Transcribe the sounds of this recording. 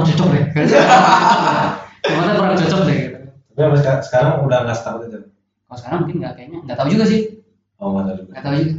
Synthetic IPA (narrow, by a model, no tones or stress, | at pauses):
ŋt͡ʃɔt͡ʃɔk̚nɛ | amat̪apəɾaŋt͡ʃɔt͡ʃɔk̚sɪɡit̪apiapasəkasə̥kaɾaŋulablast̪aut̪it̪u | kalasə̥kaɾaŋmuŋkɪnŋɡakaiɲaŋɡaʔt̪aud͡ʒuɡasɪh | ɔŋɡat̪aud͡ʒuɡaat̪aud͡ʒuɡa